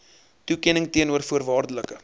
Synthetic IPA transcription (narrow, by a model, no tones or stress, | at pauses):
tukɛnəŋtiənuərfuərvɑːrdələkə